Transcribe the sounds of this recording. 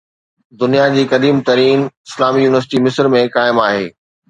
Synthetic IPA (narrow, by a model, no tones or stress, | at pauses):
d̪ʊnijad͡ʑiːkɐd̪iːmt̪ɐɾiːnɪslaːmijuːnɪʋəɾs̬ɪʈimɪsəɾmẽkaːɪmaːɦeː